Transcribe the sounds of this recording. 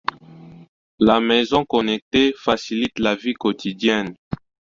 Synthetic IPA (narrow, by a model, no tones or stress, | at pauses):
lamɛzɔ̃kɔnɛk̚tefasilit̪lavikotidjɛn